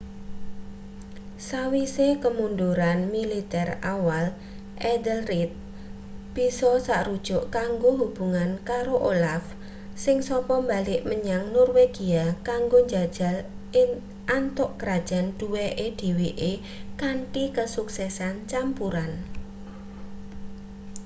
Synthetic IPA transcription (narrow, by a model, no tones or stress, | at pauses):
sawisekəmund̪uɾanmilit̪ɛrawal | ʔɛd̪əlrit̪̚ | b̥i̤sɔsaʔrud̥ʒ̥ɔʔkaŋɡoɦub̥ṳŋankaɾoʔolaf | sɪŋsɔpɔmbalɪʔməɲaŋnɔrweɡ̥iakaŋɡoɲd͡ʒḁd͡ʒ̥a̤l | ɪ | ʔant̪ʊʔkəɾad̥ʒ̥a̤nd̥uweʔed̪̥i̤wiʔe | kaɳʈikəsuksɛsant͡ʃampuɾan